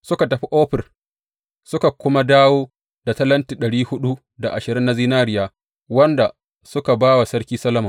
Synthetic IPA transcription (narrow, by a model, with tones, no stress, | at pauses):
sʊ˦ka˨tɐ˨ɸi˦ʔoː˦ɸɪ˨r | sʊ˦ka˨kʷʊ˦ma˦daː˦woː˦ | da˨tɐ˦lɐ˦ntiː˨ɗɐ˨ɽiː˦hʊ˦ɗu˦ | da˨ʔa̰˨ʃɪ˨ɾɪ˦nːa˦ziː˦naː˦ɾɪ˦jaː˦ | wɐ˦nda˨ | sʊ˦ka˨baː˦wa˨sɐ˦ɽkʲiː˦sɐ˦lɐ˦mɐ˨